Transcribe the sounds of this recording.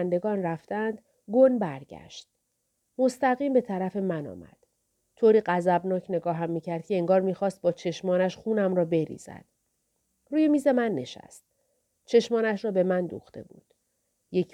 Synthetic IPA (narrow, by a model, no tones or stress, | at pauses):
nd̪e̞ɡɒːnræft̪ænd̪̥ | ɡonbæɾɟæ̰ʃt̪̚ | most̪æɣiːmbe̞t̪ʰæɾæfe̞mænɒ̰ːmæ̰d̪̥ | t̪ʰoːɾiːɢæzæbnɒːcʰne̞ɡɒːɦæmːiːcʰæɾd̪̚cʰʲe̞eŋɡɒːɾmiːxɒːst̪̚bɒːt͡ʃʰe̞ʃmɒːnæʃχuːnæmrɒːbe̞ɾḭːz̥æ̰d̪̥ | ruːjemiːze̞mænːe̞̰ʃæ̰st̪̚ | t͡ʃʰe̞ʃmɒːnæʃrɒːbe̞mænd̪ṵxt̪ʰe̞̰bṵːd̪̥ | je̞c